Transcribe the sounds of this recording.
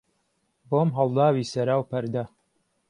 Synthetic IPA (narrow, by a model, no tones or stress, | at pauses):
boːmɦɐlˠd̪aːwiːsɐɾaːwpɐɾd̪ɐ